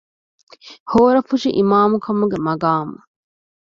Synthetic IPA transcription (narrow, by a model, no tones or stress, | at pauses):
hoːɾɐfuʂiʔimaːmukʰɐmuɡemɐɡaːmɐ